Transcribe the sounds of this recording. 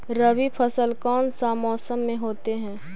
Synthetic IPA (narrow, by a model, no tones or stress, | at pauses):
ɾəʋipʰəsəlkɔːnsaːmɔːsəmːẽɦoːt̪eɦɛ̃ː